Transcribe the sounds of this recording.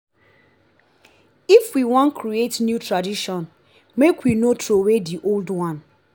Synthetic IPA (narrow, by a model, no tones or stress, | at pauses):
ifwiwɔ̃nkɾietnjutɾadiʃɔ̃n | mekwinotʰɾowediʔoldwãn